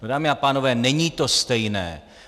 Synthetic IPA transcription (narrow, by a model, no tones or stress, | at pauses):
nodaːmɪapaːnovɛːnɛɲiːt̪ost̪ɛjnɛ̰ː